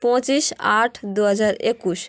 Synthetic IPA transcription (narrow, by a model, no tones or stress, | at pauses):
pɔ̃t͡ɕiʃaʈʰd̪uɦad͡ʑaɾekuʃ